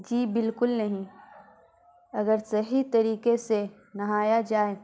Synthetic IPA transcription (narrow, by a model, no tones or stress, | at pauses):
d͡ʒiːbɪlkʊlnɐɦĩ | ɐɡəɾsɐɦit̪ɐɾiːkese | nɐɦaːjad͡ʒaːe